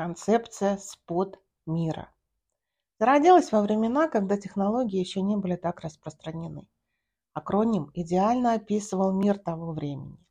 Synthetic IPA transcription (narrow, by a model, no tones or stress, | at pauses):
kɐnt̪sɛpt̪sɨjəspot̪ | mʲiɾə̰ | zəɾɐdʲilˠəsʲvəvɾʲɪmʲɪnakɐɡd̪atʲɪxnɐlˠo̞ɡʲɪːjɪɕːonʲebɨlʲɪt̪akrəspɾəst̪ɾənʲɪnɨ | ɐkɾonʲɪmɪdʲɪalʲnəɐpʲisɨvəlˠmʲirt̪ɐvo̞vɾʲemʲɪ̰nʲɪ